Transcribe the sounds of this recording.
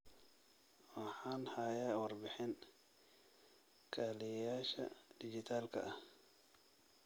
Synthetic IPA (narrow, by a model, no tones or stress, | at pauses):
wɑħaːnhaːjaːwɑrbɪħɪn | kʰaːlɛjaːʃɐ̰d̪̥ɪd͡ʒɪt̪ʰaːlkʰɐ̰ʔɐh